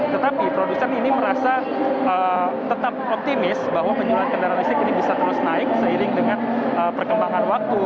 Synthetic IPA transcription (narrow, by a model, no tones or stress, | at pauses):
t̪ət̪apipɾodusɛniniməɾasa | ət̪ət̪ap̚ɔp̚t̪imɪsbaɦwaməɲd͡ʒulankəndaɾalisɪkinibisat̪əɾʊsnaɪk̚səiɾɪŋdəŋanəpərkəmbaŋanwak̚t̪u